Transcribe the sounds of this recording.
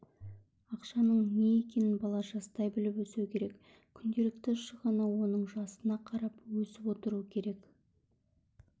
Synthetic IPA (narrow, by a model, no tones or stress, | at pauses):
ɑqʃɑnəɴne̞jekʲe̞nɪnbɑlˠɑʒɑst̪ɑjbɪlɪpwɵsewkʲʰe̞ɾek | kʲʰʏnd̪e̞lɪkt̪ɪʃəʁɑnɑwo̞nəɴʒɑsənɑqʰɑɾɑpwɵsɪpwo̞t̪əɾuəkʲʰe̞ɾe̞k